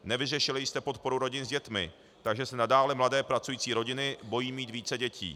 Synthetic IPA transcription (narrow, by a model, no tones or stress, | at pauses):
nɛvɪrɛʃɪlɪjɪst̪ɛpo̞t̪̚po̞ɾuɾo̞ɟɪnzɟɛt̪mɪ̰ | t̪aɡʒɛsɛnadaːlɛmladɛːpɾat͡sujiːt͡siːɾo̞ɟɪnɪbo̞jiːmiːt̪viːt͡sɛɟɛcʰḭː